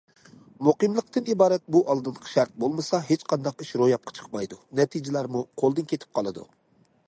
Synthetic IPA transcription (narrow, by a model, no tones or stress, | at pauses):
moqɨmlˠəq̚t̪ɨnibɑːɾɛt̪̚buʔɑlˠd̪ɨnqʰʃæɾt̪̚bolˠmɨsɑɦet͡ʃqʰɑnd̪ɑqiʃɾojɑp̚qʰɑ̥t͡ʃʰə̥qmɑjd̪unɛt̪ʰid͡ʒɪlæɾmuqʰolˠd̪ɨnkʲʰet̪ʰɪ̥p̚qʰɑlˠɨd̪ṵ